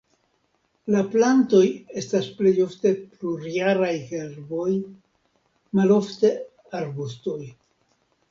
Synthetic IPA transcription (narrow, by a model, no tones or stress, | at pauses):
laplanto̞je̞stasple̞jo̞fte̞pluɾiaɾajke̞ɾbo̞j | malo̞fte̞ | aɾbusto̞j